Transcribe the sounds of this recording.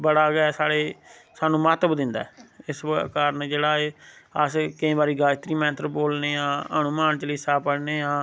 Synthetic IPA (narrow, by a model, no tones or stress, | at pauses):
bəɽaːɡɛːsaːɽeː | saːnũːmaːt̪əbd̪ɪnd̪a̰ːɪskaːɾənd͡ʒeːɽaːeːəskəẽːbaːɾiːɡaːt̪ɾiːmɛ̃ːt̪ɾəboːlneːãːənʊmaːnt͡ʃələiːsaːpəɽneːãː